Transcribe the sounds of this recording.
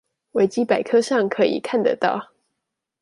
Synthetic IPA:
we˧˥ɪt͡ɕi˥pa˨˩ɪkʰɤ˥ʂɑ˥˩ŋkʰɤ˧˥ḭ˨˩kʰa˥˩nd̪ə̰˨˩t̪ɑ̰˥˩ʊ

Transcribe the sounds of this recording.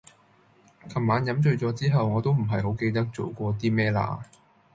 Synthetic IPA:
kʰɐ˨˩mːaː˨˥njɐ˨˥mt͡ʃɵ˧ɥt͡sɔː˨˥t͡siː˥ɦɐ˨wŋɔː˨˧t̪o˥wm̩˨˩ɦɐ˨jɦo˨˥wke˧jt̪ɐ˥k̚t͡so˨˩wkʷɔː˧t̪iː˥mɛː˥la̰ː˧˥

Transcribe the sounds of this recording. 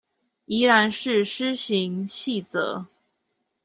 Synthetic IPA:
i˧˥ɻa˧˥nʂɻ̩˥˩ʂɻ̩˥ɕi˧˥ŋɕi˥˩t͡sɤ̰˧˦

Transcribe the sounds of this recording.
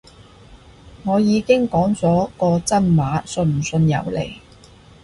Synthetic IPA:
ŋɔː˨˧jiː˨˧kɪ˥ŋkɔː˨˥ŋt͡sɔː˨˥kɔː˧t͡sɐ˥nmwaː˨˥sɵ˧nm̩˨˩sɵ˧njɐ̰˨˧wlḛ˨˩j

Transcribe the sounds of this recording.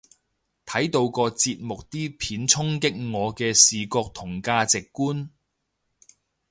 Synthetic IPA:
t̪ʰɐ˨˥jt̪o˧wkɔː˧t͡siː˧t̚mʊ˨k̚t̪iː˥pʰiː˨˥nt͡sʰʊ˥ŋkɪ˥k̚ŋɔː˨˧kɛː˧siː˨kɔː˧k̚t̪ʰʊ˨˩ŋkaː˧t͡sɪ˨kːuː˥n

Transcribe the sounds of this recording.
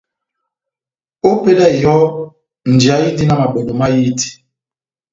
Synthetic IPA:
o˦pe˦lɛ˦˨jɔ˦ | n̩˨d͡ʒi˨a˨ji˦di˦na˦˨ma˨ɓɛ˨no˨ma˦ji˦ti̥˨

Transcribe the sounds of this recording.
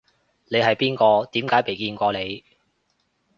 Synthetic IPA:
ne˨˧jɦɐ˨jpiː˥nkɔː˧t̪iː˨˥mkaː˨˥jpe˨jkiː˧nkʷɔː˧le˨˧j

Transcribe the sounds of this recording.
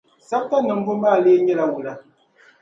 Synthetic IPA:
sa˦p̚ta˦nɨ˨m̩˦bu˦m˦baː˦˨leː˦ɲɛ˦la˦wu˨la˦

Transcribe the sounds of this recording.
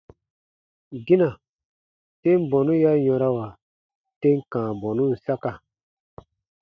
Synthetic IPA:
ɡi˦na˨ | tẽ˦m˦bɔ̃˨nũ˦ja˦jɔ̃˧ɾa˦wa˨ | te˦ŋ˦kãː˨bɔ̃˨nũ˦n̩˨sa˦ka˨

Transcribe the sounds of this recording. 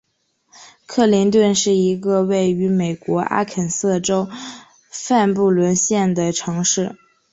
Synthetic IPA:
kʰɤ˥˩li˧˥ŋt̪wə˥˧nʂɻ̩˥˩i˧˥ɡə˧we˥˩ɪy˧˥me˨˩ɪkwɔ˧˥ʔa̰˥kʰə˨˩nsɤ˥˩ʈ͡ʂo˥ʊ | fa˥˧np̬u˥˩lwə˧˥nɕjɛ˥˩nd̪ə˩ʈ͡ʂʰɤ˧˥ŋʂɻ̩˥˩

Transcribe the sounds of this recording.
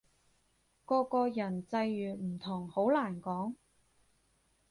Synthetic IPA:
kɔː˧kɔː˧jɐ˨˩nt͡sɐ˧jɥyː˨˩m̩˨˩t̪ʰʊ˨˩ŋho˨˥wlaː˨˩nkɔː˨˥ŋ

